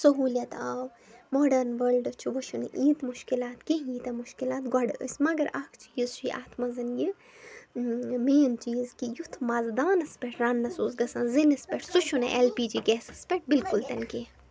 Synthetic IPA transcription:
sɐɦuːlʲɐt̪aːw | moːɖɐɾnʋɐlɖɐt͡ʃʰuʋɐʃʰun̰ʔiːt̪muʃkilaːt̪keɦiːt̪ɐmuʃkilaːt̪ɡɐɖəə̰sʲmɐɡɐɾɐkʰt͡ʃʰiizt͡ʃʰuʔa̰ːt̪ʰmɐzɐnji | meːnt͡ʃiːzkijut̪ʰmɐzd̪aːnɐspeʈʰɾaːnːɐsuːzɡɐsɐ̃nzinɐspeʈʰsuʃʰuneʔelpiːd͡ʒiːɡɛːsɐ̥spɛʈ̚bɪlkult̪ɐnke

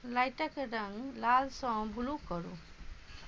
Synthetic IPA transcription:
lajʈakeɖaŋlalsɔ̃bʱulukɔɾṵ

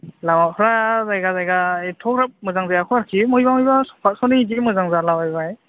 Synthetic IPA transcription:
lamapʰɾazajɡazajɡaetʰɔkɾap̚mɯzaŋzajakʰɔaɾkʰimɯjbamɔjbasɔ̥pʰat̚sɔnidimɯzaŋzalawajbaj

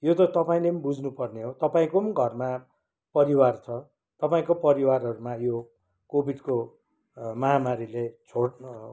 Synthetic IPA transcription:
jot̪ʌt̪ʌpaĩlebud͡znupʌrneɦot̪ʌpaĩkoɡʱʌrma | pʌɾiwart͡sʰʌ | t̪ʌpaĩkopʌɾiwarɦʌɾumajo | kobʱiɖko | mʌɦamaɾilet͡sʰoɽ

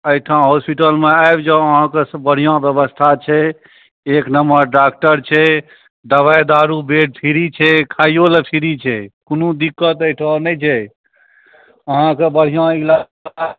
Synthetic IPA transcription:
əjʈʰãɦospiʈəlmeaebd͡ʒãəɦãkesbəɽ̤ijãbjəbəst̪ʰat͡ʃʰɛ | eknəməɾɖak̚ʈəɾt͡ʃʰɛ | ɖ̪əbajd̪aɾubeʈ̚pʰiɾit͡ʃʰɛkʰajjolepʰiɾit͡ʃʰɛkonud̪ikːət̪əjʈʰãnɛjt͡ʃʰɛ | əɦãkebəɽ̤ijãila

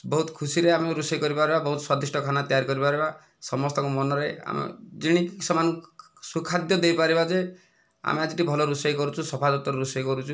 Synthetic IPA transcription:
bɔɦut̪ɔ̥kʰusiɾeameɾusɔjkɔɾipaɾibabɔɦut̪ɔswɔd̪isʈɔkʰanat̪ijaɾikɔɾipaɾiba | sɔmɔst̪ɔŋkumɔnɔɾea̰mḛd͡ʒiɽ̃ikisɔman | sukʰad̪jɔd̪ejpaɾibad͡ʒe | a̰mead͡ʒiʈibʱɔlɔɾusɔjkɔɾut͡ʃʰusɔpʰad̪ut̪ɔɾɾusɔjkɔɾut͡ʃʰu

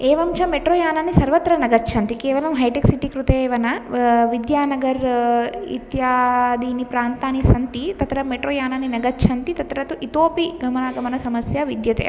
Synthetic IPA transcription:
eːʋɐmt͡ʃɐmeʈɾoːjaːnaːnisɐɾʋɐt̪ɾɐnɐɡɐt͡ʃʰɐnt̪ikeːʋɐlɐmɦɐjʈeksiʈikɾut̪eːʋɐnɐʋid̪jaːnɐɡɐɾḭt̪jaːd̪iːnipɾaːnt̪aːnisɐnt̪it̪ɐt̪ɾɐmeʈɾoːjaːnaːninɐɡɐt͡ʃʰɐnt̪it̪ɐt̪ɾɐt̪uʔit̪oːpiɡɐmɐnaːɡɐmɐnɐsɐmɐsjɐʋid̪jɐt̪ḛ

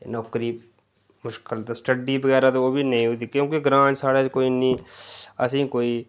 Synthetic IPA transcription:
nɔːkɾiː | mʊʃkəlt̪ːsʈəɖiːbəɣɛːɾaːt̪ooːbiːnəĩːɦʊt̪iːkjõːkeɡɾãːʈsaːɽeːkoːinĩːə̰sĩːkoːiː

